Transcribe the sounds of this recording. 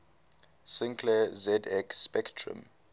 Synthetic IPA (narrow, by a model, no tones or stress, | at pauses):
sɪ̃ŋkʰlɛzɛdɛkspɛktʰɹṵ̃m